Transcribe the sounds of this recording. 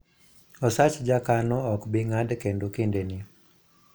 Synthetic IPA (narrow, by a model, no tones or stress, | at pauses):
ɔsat͡ʃd͡ʒakanɔɔkbɪŋadkendokendeni